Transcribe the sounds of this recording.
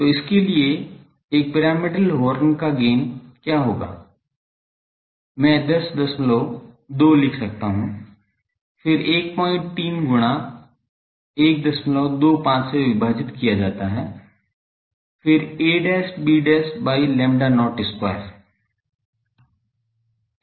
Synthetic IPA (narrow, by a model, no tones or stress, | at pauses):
t̪oːɪskelie | eːk̚pɪɾaːmɪɖəlɦoːɾnkaɡeːnkjaːɦoːɡa̰ː | mɛ̃ːd̪ɐsd̪ɐsmɪloː | d̪oːlɪkʰsɐk̚t̪aɦũː | fɪɾeːk̚pɔ̃ːɪ̃ɳʈ̚t̪iːnɡʊɽ̃a | eːk̚d̪ɐsmɪloːd̪oːpãːt͡ʃseʋɪbʱaːd͡ʒɪt̪kijad͡ʒaːt̪aɦɛː | fʰɪɾeːɖɛːsbiːɖɛːsbaːilɛ̃ːmɖanɔːʈɪska̰ɾ